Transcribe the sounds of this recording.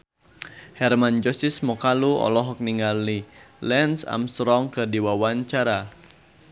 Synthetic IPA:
hɛrmand͡ʒɔsismɔkaluɔ̰lɔɦɔk̚niŋalilɛnsa̰mst̪ɾɔŋkədiwawaɲt͡ʃaɾa

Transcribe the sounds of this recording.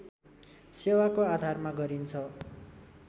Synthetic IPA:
sewakoad̪ʱarmaɡʌɾint͡sʰʌ

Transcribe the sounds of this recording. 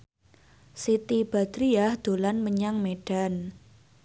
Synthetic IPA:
sit̪ib̥a̤d̪̥ɾiahd̪̥o̤lanməɲaŋmeɖ̥a̤n

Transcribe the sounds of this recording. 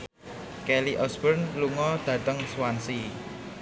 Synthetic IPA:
kɛliʔɔsbərnluŋɔd̪̥ä̤t̪əŋswansi

